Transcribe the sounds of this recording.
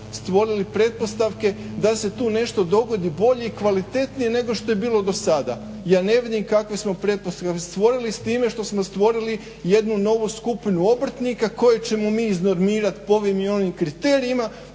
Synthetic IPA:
st̪ʋo̞ɾilipɾe̞t̪̚po̞st̪aʋke̞ | d̪ase̞t̪uːne̞ʃt̪o̞d̪o̞ɡo̞d̪ibo̞ʎe̞ikʋalit̪e̞t̪nije̞ne̞ɡo̞ʃt̪o̞je̞biːlˠo̞d̪o̞sad̪a | jaːne̞ʋid̪imkakʋe̞smo̞pɾe̞t̪̚post̪ast̪ʋo̞ɾilist̪iːme̞ʃt̪o̞smo̞st̪ʋo̞ɾili | je̞d̪nuno̞ʋuskupinuo̞br̩ɾ̩t̪nikako̞jet͡ɕe̞momiːzno̞ɾmiːɾat̪ipoo̞ʋimio̞nimkɾit̪e̞ːɾiima

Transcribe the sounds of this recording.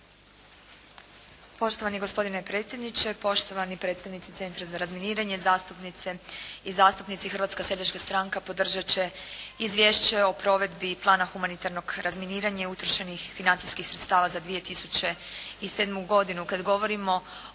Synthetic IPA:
po̞ʃt̪o̞ʋaniɡo̞spo̞d̪inepɾe̞t̪sjed̪nit͡ɕe̞po̞ʃt̪o̞ʋanipɾe̞t̪st̪aʋnit̪sit̪se̞nt̪ɾazaɾazminiːɾaɲe̞zaːst̪upnit̪seizaːst̪upnit̪sixr̩ʋat̪skase̞ʎat͡ʃkast̪ɾaŋkapo̞d̪r̩ʒat͡ɕe̞izʋʲjeʃt͡ɕe̞o̞pɾo̞ʋe̞d̪biplˠaːnaxumanit̪aɾnoɡɾʔazminiːɾaɲaiut̪ɾoʃenixfinant̪ijskixsɾet̪st̪aːʋazad̪ʋije̞t̪isut͡ɕeise̞ːd̪muɡo̞d̪inukad̪ɡo̞ʋo̞ɾimo̞

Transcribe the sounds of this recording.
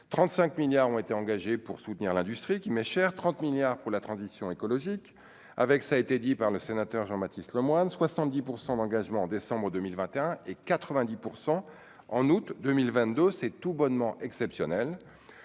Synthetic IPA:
t̪χɑ̃t̪sɛ̃kmiljaʁɔ̃et̪eɑ̃ɡaʒepuʁsut̪niʁlɛ̃d̪yst̪χikʲimɛʃɛʁt̪χɑ̃t̪miljaʁpuʁlat̪χɑ̃zisjɔ̃ekɔlɔʒik | a̰vɛksaet̪ed̪ipaʁləsenat̪œʁʒɑ̃mat̪islɔmwanswasɑ̃t̪̚d̪ipuʁsɑ̃d̪ɑ̃ɡaʒmɑ̃ːd̪esɑ̃bʁəd̪ømilvɛ̃t̪eɛ̃ekat̪χəvɛ̃d̪ipuʁsɑ̃ | ɑ̃nut̪d̪ømilvɛ̃t̪̚d̪øsɛt̪ubɔnmɑ̃ʔɛksɛpsjɔnɛl

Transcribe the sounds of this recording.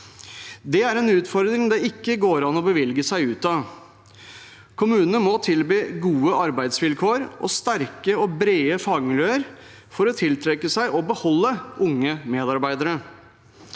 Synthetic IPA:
d̪ɛæɾɛnʉːt̪fɔɾd̪ɾɪŋd̪ɛɪkːəɡoːɾɑnɔbəʋɪlɡəsæɪʉːt̪ɑ | kʰʊmʉːnənəmɔt̪ʰɪlbyːɡuːəʔɑɾbæɪd̪sʋɪlkʰoːɾʔɔ̰st̪æɾkəɔbɾeːəfɑːɡmɪljøːəɾ | fɔɾɔt̪ʰɪlt̪ʰɾɛkːəsæɪʔɔbəhɔlːəʔʊŋːəmeːd̪ɑɾbæɪd̪əɾə

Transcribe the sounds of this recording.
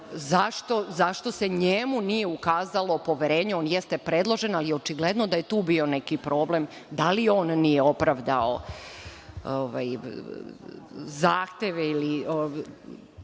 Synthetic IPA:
zaʃt̪o̞zaʃt̪o̞seɲemunije̞ukaːzalˠo̞po̞ʋjeɾe̞ːɲuoːnjest̪epɾed̪lˠoʒenalijeot͡ʃiɡled̪no̞d̪aje̞t̪uːbio̞nekipɾo̞ːblem | d̪alio̞ːnːijeo̞pɾaʋd̪ao̰ | oʋa̰j | zaːxt̪eʋeilio

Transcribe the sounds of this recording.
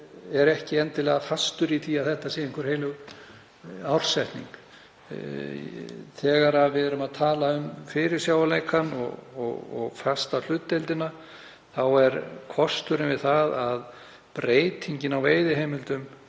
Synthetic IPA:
ɛɾɛhcɪɛnt̪ɪlɛːɣafast̪ʏɾiθʰiaðθɛht̪aseːjɪŋkvʏɾhejlʏɣ | awr̥sɛht̪nḭŋk | θɛːɣaɾaðvɪðɛɾʏmaðt̪ʰaːlaʏmfɪɾɪɾ̥sjaːwalejkʰanɔ̰ɣɔ̰ɣɔ̰ɣfast̪al̥ʏt̪ːejlt̪ɪna | θawɛɾkʰɔst̪ʏɾɪnvɪðθaðað | pɾeːjt̪ʰiɲcɪnawveːjðɪɦejmɪlt̪ʏm

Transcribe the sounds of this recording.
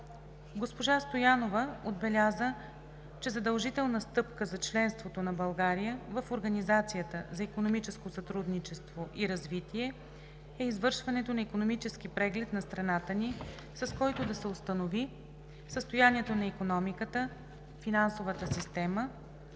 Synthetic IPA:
ɡospoʒast̪ojanovəod̪̚bɛlʲazə | t͡ʃɛzɐd̪əlˠʒit̪ɛlˠnəst̪ɤpkəzɐt͡ʃlɛnst̪vot̪onɐbɐlˠɡaɾijəvɐfoɾɡɐnizat̪sijət̪əzɐikonomit͡ʃɛskosɐt̪ɾud̪nit͡ʃɛst̪voʔiɾɐzvit̪iɛ | ɛizvɤɾʃvɐnɛt̪onɐikonomit͡ʃɛsk̟ipɾɛɡlɛt̪nɐst̪ɾɐnat̪əni | sɐskɔjt̪od̪ɐsɛost̪ənovi | səst̪ojaniɛt̪onɐikonɔmikət̪ə | finansovət̪əsist̪ɛmə

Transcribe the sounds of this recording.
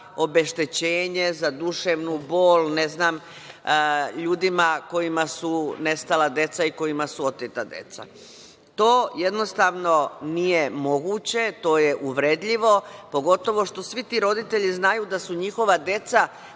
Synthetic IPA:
o̞be̞ʃt̪et͡ɕeːɲe̞zad̪uʃeʋnubo̞ːlne̞znaːm | ʎuːd̪imako̞jimasune̞st̪alad̪e̞t̪saiko̞jimasuo̞t̪et̪ad̪e̞̰t̪sa̰ | t̪o̞ːje̞d̪no̞st̪aʋno̞nijemo̞ɡut͡ɕe̞t̪o̞ːje̞ʔuʋɾed̪ʎiʋo̞po̞ɡo̞t̪o̞ʋo̞ʃt̪o̞sʋit̪iːɾo̞d̪it̪e̞ʎiznajuːd̪asuɲixo̞ʋad̪e̞t̪sa

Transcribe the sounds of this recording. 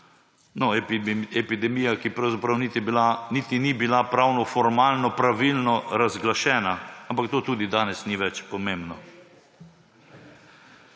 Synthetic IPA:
nɔɛpid̪ɛmiːjakipɾɐwzapɾɐwnit̪ianit̪inibilapɾawnɔfɔɾmaːlnɔpɾaʋilnɔɾazɡlaʃɛːnaampakt̪oːt̪uːd̪id̪aːnɛsniʋɛt͡ʃpɔmembnɔ

